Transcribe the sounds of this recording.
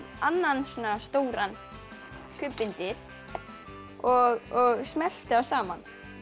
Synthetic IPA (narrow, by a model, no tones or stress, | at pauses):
anːansɔnast̪oːwɾan | kʰʏpːɪnt̪ɪɾ̥ | ɔɣɔɣsmɛl̥t̪ɪawsaːman